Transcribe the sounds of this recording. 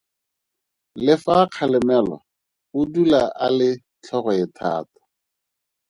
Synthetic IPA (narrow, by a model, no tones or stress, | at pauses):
lɪfaq͡χʰalɛmɛla̰ | ʊdulaʔalɪ | t͡ɬʰɔɣɔɪtʰa̰ːtḁ